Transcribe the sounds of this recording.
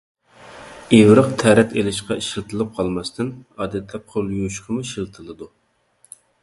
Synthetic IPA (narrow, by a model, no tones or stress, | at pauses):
ewɾɨqt̪ʰæɾɛt̪ʰelɪʃqɑiʃilt̪ʰɨlˠɨp̚qʰɑlˠmɑst̪ɨnɑːd̪ɛt̪ʰlɛp̚qʰolˠjuʃqʰəmuiʃilˠt̪ʰɨlˠɨd̪u